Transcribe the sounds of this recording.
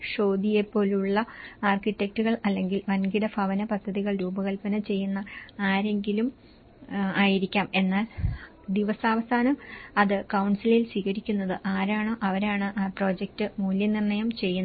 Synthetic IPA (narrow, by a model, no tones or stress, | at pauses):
ʂo̞ːd̪ʱijepːo̞ːluɭːɐaːrkitːe̞k̚tuɣɐɭɐlːe̞ŋɡilʋɐnɡiɽɐfɐʋɐnɐpɐd̪ʱːɐðiɣɐɭɾuːbɐɣɐlpɐnɐt͡ɕe̞jːunːɐaːɾe̞ŋɡilum | aːjiɾikʲːaːme̞nːaːl | d̪iʋɐsaːʋɐsaːnɐmɐðɨkɐwɳsililsiːkɐɾikʲːunːɐðɨʔaːɾaːɳɨʔɐʋɐɾaːɳɨʔpro̞ːd͡ʑek̚tɨmuːljɐnirnɐjɐmt͡ɕe̞jːunːɐ